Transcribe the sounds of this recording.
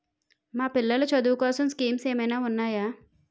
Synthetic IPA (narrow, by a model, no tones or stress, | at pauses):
maːpilːɐlɐt͡ʃɐd̪uːukɔːsɐmskiːmseːmɐjnaːunːaːjaː